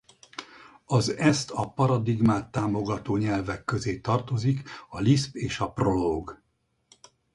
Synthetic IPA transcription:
ɒzɛst̪ʰɒpɒɾɒd̪iɡmaːt̪ːaːmo̞ɡɒt̪oːɲɛlvɛkːøzeːt̪ɒrt̪o̞zikɒlispeːʃɒpro̞loːɡ

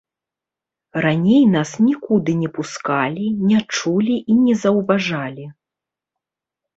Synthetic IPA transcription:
ranʲejnasnʲikud̪ɨnʲɛpuskalʲinʲat͡ʂulʲiʔinʲɛzɐwvaʐalʲi

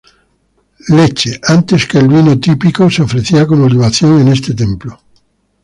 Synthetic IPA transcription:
le̞t͡ʃeʔant̪e̞skelβinot̪ipikoseofɾeθiakonoliβ̞aθjo̞ŋe̞ne̞st̪et̪̬ẽ̞mplo

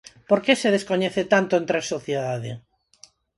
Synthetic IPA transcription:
poɾkeseð̞eskoɲeθet̪ant̪oẽnt̪ɾesːoθjeðaðe

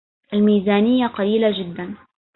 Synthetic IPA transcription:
ʔalmiːzaːnɪjːaqɑliːlad͡ʒɪd̪ːan

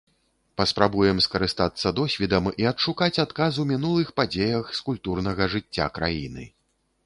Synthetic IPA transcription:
pɐspɾabujɛmskɐɾɨst̪at̪sːɐd̪ɔsʲvʲid̪ɐmiɐt̪ʂukat͡sʲat̪kazumʲinulˠɨxpad͡zʲejɐxskulʲpt̪urnɐɣɐʐɨt͡sʲːa̰kɾa̰jḭnɨ̰

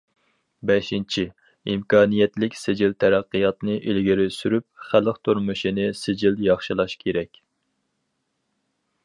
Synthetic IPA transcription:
bɛʃint͡ʃʰi | imkʰɑːnijɛt̪lɪkʲsɪd͡ʒilt̪ʰɛɾæqːɨjɑt̪nɨʔilɡʲiɾɪsyɾyp̚χælˠəqt̪ʰuɾmuʃinɨsɪd͡ʒiljɑχʃilˠɑʃkʲʰeɾɛkʲ

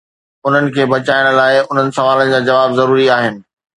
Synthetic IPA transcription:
ʊn̤ənɪ̆kʰeːbɐt͡ɕaːɪɽ̃laːɪʊn̤ənɪ̆sɐʋaːlənɪ̆d͡ʑaːd͡ʑɐʋaːbzɐɾuːɾiaːɦɪnɪ̆

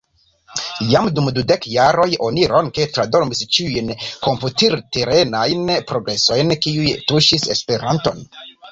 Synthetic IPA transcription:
jamdumdude̞kjaɾo̞jo̞niɾo̞nketɾadoɾmist͡ʃiujnko̞mputiɾteɾe̞najnpɾo̞ɡɾe̞so̞jnkiujtuʃise̞̰spe̞ɾanto̞̰n

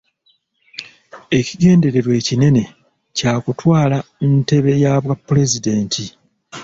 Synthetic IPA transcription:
e̞ciɡe̞ːnde̞ɾe̞ɾwe̞ːcine̞ne̞ | caːkutwaːlante̞βe̞jaːβwapːule̞zide̞ːntʰi

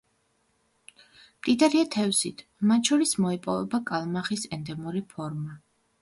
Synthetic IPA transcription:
mt̪ʼid̪aɾiat̪ʰɛvsḭt̪ʰmat̪ʃɔɾismɔɛpʼɔvɛbakʼalˠmaχisɛnd̪ɛmuɾipʰɔɾma

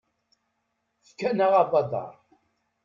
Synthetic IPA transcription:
θkːænəʁabɑd̪ˤɑ̰ɾˤ

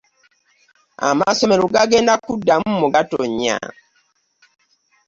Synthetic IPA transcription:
a̰masɔmeɾuɡaɡeːndakudːamumuɡatoɲa̰

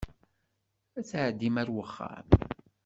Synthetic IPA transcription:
æt͡sʕəd̪ːimæɾwəχːa̰m

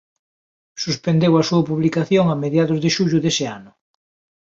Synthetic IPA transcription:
suspend̪ewasuɐpuβlikaθjoŋameðjaðʊzðɪʃuʎʊðesɪanʊ

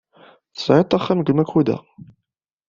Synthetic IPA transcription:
θsʕit̪ˤːɑχːæmɡəmækʰːud̪æ̰

